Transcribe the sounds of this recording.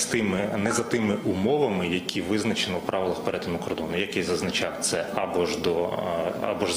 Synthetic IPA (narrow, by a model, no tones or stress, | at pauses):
t̪ɪmɪnɛzɐt̪ɪmɪʔumɔʋɐmɪjɐkʲʰiʋɪznɐt͡ʃenɪwpɾʔɑʋɪlˠɐxpeɾɛt̪ɪnʊkɔrd̪ɔnʊjɐkɛjzɐznɐt͡ʃɑwt̪sɛɐbɔʒd̪ɔa̰bɔʒ